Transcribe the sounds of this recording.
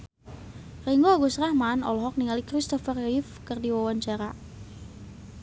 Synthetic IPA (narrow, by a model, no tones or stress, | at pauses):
reŋɡoaɡusɾahmanɔ̰lɔɦɔk̚niŋalikɾist̪ɔfərifkərdiwawaɲt͡ʃaɾa